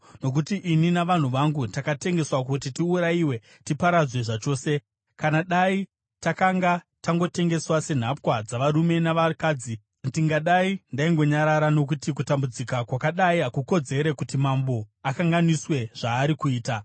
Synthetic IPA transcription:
no̞k̬utiʔininaʋan̤uʋaŋɡutakate̞ŋɡe̞swak̬ut̬itiuɾaiwe̞ | tipaɾad͡zwe̞ʐat͡ʃo̞ːse̞ | kanaɗai | takaŋɡa | taŋɡo̞te̞ŋɡe̞swase̞n̤apkwad͡zaʋaɾume̞naʋakaːd͡zi | ndiŋɡaɗaindaiŋɡo̞ɲaɾaɾano̞k̬utik̬utambud͡zikakwakaɗaiɦakuko̞d͡ze̞ɾe̞kutimambo̞akaŋɡaniswe̞ʐ̥aːɾikuiːta

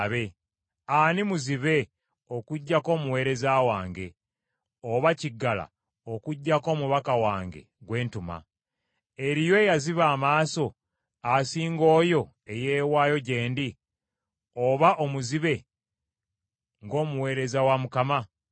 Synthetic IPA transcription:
βe̞ | animuziβe̞ | o̞kuɟːako̞ːmuwe̞ːɾe̞zaːwaːŋɡe̞ | oβaciɡːala̰ | okuɟːako̞ːmuβakawaːŋɡe̞̰ɡwe̞ːntuma̰ | eɾijoejaziβaːmaːso̞ | asiːŋɡo̞ːjo̞ | e̞je̞ːwaːjo̞ɟe̞ːndi | oβaʔo̞muziβe̞ | ŋɡo̞ːmuwe̞ːɾe̞zawamukama

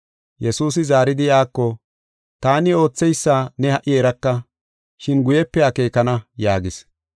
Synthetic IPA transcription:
jɛsuːs̬ɪzaːɾɪd̪ɪjaːkːɔ | t̪aːnɪo̞ːt͡sːɛjsːaːnɛhɐʔɪɛɾɐkːɐ | ʃɪnɡʊjɛpːɛake̞ːkɐnɐjaːɡɪs

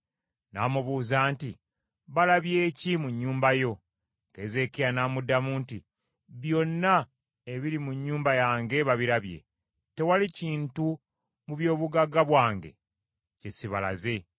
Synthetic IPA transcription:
na̰ːmuβuːzaːnti | βalaβje̞ːcimuɲːuːmbajo̞ | ke̞ːze̞kijanaːmudːamuːnti | βjo̞nːa | e̞βiɾimuɲːuːmbajaːŋɡe̞βaβiɾaβje̞̰ | te̞waliciːntu | muβjo̞ːβuɡaɡaβwaːŋɡḛ | cesiβala̰ze̞

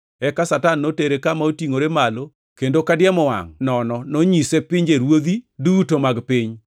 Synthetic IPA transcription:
ɛkasatanːoteɾekamaotiŋoɾemalo | kendokadɪjɛmɔwa̰ŋnɔnɔnoɲisepɪɲd͡ʒeɾwod̪idutomaɡpɪɲ

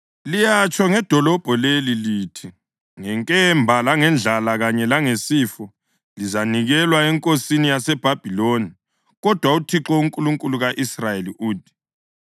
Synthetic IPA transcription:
lijat͡ʃʼɔŋɛd̥ʱɔlɔb̥ʱɔleliliːtʰi | ŋɛŋkʼɛmbʱalaŋɛnd͡ɮʱalaɣaɲɛlaŋesiːfɔ | lizaniɣɛlwaɛŋkʼosinijasɛb̥ʱab̥ʱiloni | ɣɔd̥ʱwautʰiǁɔuŋkʼuluŋkʼuluɣaʔisrajeliʔuːt̚ʰʼi̥

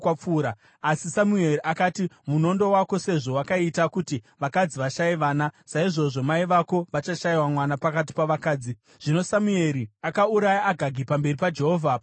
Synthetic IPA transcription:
wap͡fuːɾaː | sisamue̞riʔakatimuno̞ndo̞wako̞se̞ʐo̞wakaitakuti | ʋakad͡ziʋaʃaiʋaːnasaiʐo̞ʐo̞maiʋako̞ʋat͡ʃaʃajiwamwanapakat̬i̥paʋakaːd͡zi | ʐ̥ino̞samue̞ɾiakauɾajaʔːɡʱaɡʱipambe̞ripad͡ʒe̞ɦo̞ːvʱap

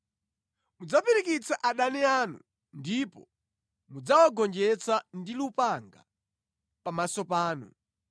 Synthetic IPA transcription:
mud͡zapiɾikit͡saʔaɗanɛaːnṵ | ndipɔ | mud͡zawaɡɔnd͡ʒɛt͡sandilupaŋɡa̰ | pamasɔpaːnṵ

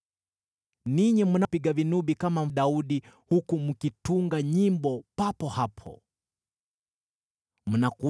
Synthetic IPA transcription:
niɲimunapiɡavinuɓikamam̩ɗauɗihukumukituŋɡaɲimbɔpapɔhapʰɔ̰ | m̩naku

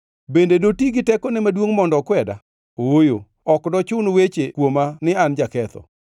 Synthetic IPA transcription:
bendedotiɡɪtɛkɔnɛmadwoŋmɔndɔkwɛda̰ | owojo̰ | ɔkdɔt͡ʃʊnwet͡ʃekwomanɪand͡ʒakɛt̪ɔ̰

